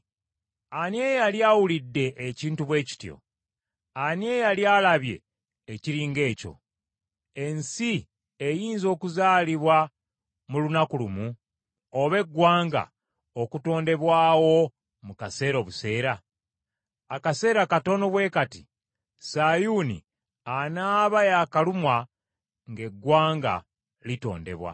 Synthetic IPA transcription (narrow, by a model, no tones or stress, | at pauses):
anje̞ːjaljaːwulidːe̞ʔːciːntuβwe̞ːci̥tjo̰ | anjejaljaːlaβje̞̰ː | ciɾiːŋɡe̞ːco̞̰ | e̞nsi | ejiːnzo̞ːkuzaːliβwa | mulunakulumu | oβe̞ɡːwaːŋɡa̰ | okuto̞ːnde̞βwaːwo̞ | mukase̞ːɾo̞βuse̞ːɾa | akase̞ːɾakato̞no̞βwe̞ːkati | saːjuːnḭ | anaːβajaːkalumwa | ŋɡe̞ɡːwaːŋɡa̰ | lito̞̰ːnde̞̰βwa̰